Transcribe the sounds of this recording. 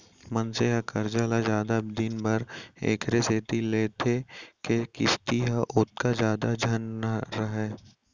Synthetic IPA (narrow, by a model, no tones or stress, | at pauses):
mɐnseɦakɐɾd͡ʒalad͡ʒaːd̪abd̪ɪnbɐɾḛːkɾeseːt̪ileːt̪ʰekekɪst̪iɦaʔʊt̪̚kazjaːd̪ad͡ʒʱɐnːaɾɐɦeː